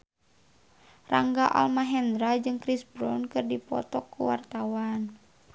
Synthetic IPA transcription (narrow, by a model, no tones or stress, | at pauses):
ra̰ŋɡaʔa̰lmaɦɛnd̪ɾad͡ʒɨŋkɾisbɾɔnkɨrdipɔ̰t̪ɔkːuwart̪awan